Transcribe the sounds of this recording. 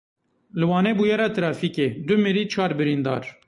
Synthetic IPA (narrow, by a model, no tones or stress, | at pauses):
lɨwɑːneːbujɛɾaːt̪ɨɾɑːfiked̪ʊmɨɾiːt͡ʃʰɑːɾbɨɾind̪ɑ̰ːɾ